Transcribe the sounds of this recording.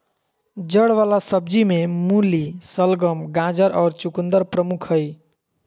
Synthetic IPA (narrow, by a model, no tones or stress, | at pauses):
d͡ʒəɽʋalasəb̚d͡ʒimemulisəlɡəmɡãd͡ʒəɾʔɔʊɾt͡ʃukund̪əɾpɾəmukʰəj